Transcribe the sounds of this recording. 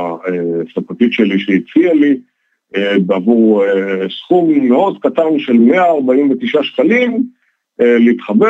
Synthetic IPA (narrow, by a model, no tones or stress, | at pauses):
esafat̪itʃeliʃeit͡siali | ebeavuʁesχumːeo̞d̪katanʃe̞lme̞aːʁbaimvet̪iʃaʃkalim | eleit̪χabe